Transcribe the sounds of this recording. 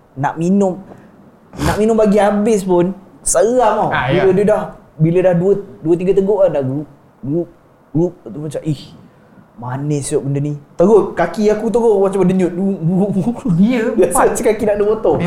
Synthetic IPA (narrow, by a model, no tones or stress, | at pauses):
naʔminʊm | naʔminʊ̃mbaɡiabɪspʊn | səɣaŋabilədədah | bilədahduəduət̪̬iɡət̪əɡoʔadaɡɾup̚ | ɡɾup̚ | ɡɾup̚ət̪umat͡ʃaʔih | manɛsiɔʔbəndənit̪əɡot̪̚kakiakut̪̬əɡoʔmat͡ʃaməndəɲʊt̪̚dububu | asat͡ʃikakinaʔdəbot̪ɔ